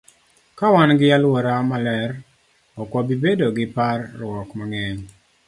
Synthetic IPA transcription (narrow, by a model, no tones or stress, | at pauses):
kawanɡɪalwɔɾamalɛɾ | ɔkwɔbibedoɡɪparːwɔkmaŋɛɲ